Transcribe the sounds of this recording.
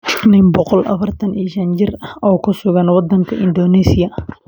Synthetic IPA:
nɪmbɔqɔlʔɐ̰fɐrt̪ʰɐniːʃɐnt͡ʃɪrɐhɔːkʰʊsʊɣɐnwɑd̪ɐŋkʰɐʔɪnd̪ɔːnɛːsɪjɐ

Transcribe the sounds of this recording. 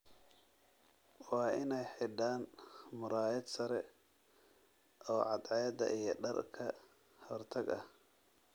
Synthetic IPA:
wɑːʔɪnɛjħɪɖaːnmʊɾaːɛd̪sɐɾɛ | ʔɔːʕɑd̪ʕɛjd̪ɐ̰ʔijɞɖɐrkʰɐ | hɔrt̪ʰɐɡɐ̰h

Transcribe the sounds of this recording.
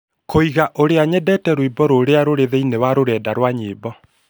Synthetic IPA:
kʰoiɣaʔoɾeaɲɛdɛtɛɾwibɔɾoɾeaɾoɾeðɛinewaɾoɾɛːdaɾwaɲeːbɔ

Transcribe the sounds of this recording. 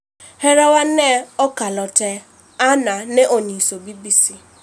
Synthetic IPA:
hɛɾawanɛɔkalɔtɛ | ananeʔonisobibisi

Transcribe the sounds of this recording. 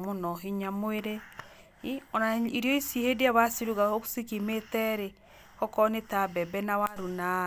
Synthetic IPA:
monɔɦiɲamoeɾe | iɔnaiɾijɔisihediaβasiɾuɣaokusikimetɛɾe | kɔkɔnetabɛbɛnawaɾuna

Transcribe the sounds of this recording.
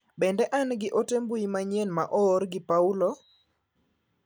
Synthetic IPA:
bɛndɛʔanɡɪʔotembuimaɲenmaʔɔːɾɡɪpaulo

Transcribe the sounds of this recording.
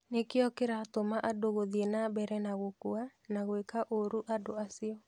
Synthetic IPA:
nekeɔkeɾaːtomaʔadoɣoðienabɛɾɛnaɣokuanaɣwekaʔoɾuʔadoasiɔ

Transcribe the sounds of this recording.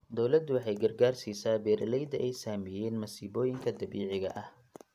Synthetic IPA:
d̪ɔwlɐd̪ʊwɑħɑjɡɐrɡaːrsiːsaːbɛːɾlɛjd̪ɐʔɛjsaːmɪjɛːnmɐsiːβɔːjɪŋkʰɐd̪ɐβiːʕɪɣɐ̰ʔɐh

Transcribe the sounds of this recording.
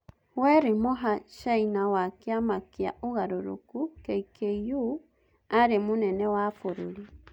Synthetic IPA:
wɛɾemoɦaʃainawakeamakea̰ʔoɣaɾoɾo̰kukɛikejo | aɾemonɛnɛwafoɾoɾi

